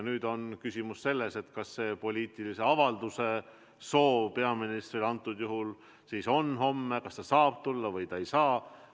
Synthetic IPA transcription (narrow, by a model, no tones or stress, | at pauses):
nyːd̪̥o̞nkysʲimusse̞lːese̞t̪kɑsːe̞ːpo̞lʲiːt̪ˑilise̞ɑvɑld̪use̞ | so̞ːpe̞ɑminist̪rilɑnt̪ːˑud̪̥juɦul | siːso̞nɦo̞mːekɑst̪ɑsɑːb̥̚t̪ulːɑvɤjt̪ɑejsɑː